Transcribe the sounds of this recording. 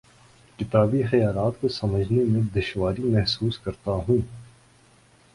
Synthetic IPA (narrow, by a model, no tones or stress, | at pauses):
kɪt̪aːbixɐjaːlaːt̪kosɐməd͡ʒʱnemẽd̪ɪʃwaːɾimɛɦsuːskɐɾt̪aɦũː